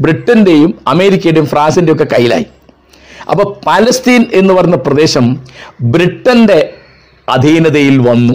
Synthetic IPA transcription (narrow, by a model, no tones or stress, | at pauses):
bɾiʈːɐnde̞jumɐme̞ːɾikʲːɐjuɽejumfraːnsindeokːe̞kɐjːila̰ːji | ɐ̰pːoːpaːlɐst̪iːne̞nːɨpɐrɐnːɐprɐd̪e̞ːɕɐmbɾiʈːɐnde̞ | ɐd̪ʱiːnɐðɐjilʋɐnːu